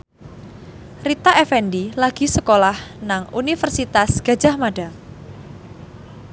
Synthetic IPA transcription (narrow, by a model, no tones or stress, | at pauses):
rit̪aʔɛfɛndilaɡ̥i̤səkolahnaŋunifərsit̪asɡ̥a̤̥d͡ʒ̥a̤hmaɖ̥a